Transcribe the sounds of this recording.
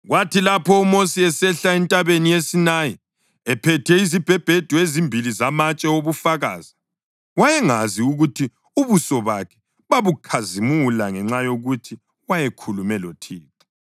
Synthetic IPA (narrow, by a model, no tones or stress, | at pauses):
ɣwatʰilapʰɔumosiɛsɛɬaɛntʼaβenijesinaji | ɛpʰɛtʰɛizib̥ʱɛb̥ʱed̥ʱuezimbʱilizamat͡ʃʼɛoβufaɣa̰ːz̥i | wajɛŋaziuɣutʰi | uβusɔβakʰɛ̥ | βaβukʰazimulaŋɛŋ͡ǁajoɣutʰi | wajɛkʰulumɛlotʰiːtʰḁ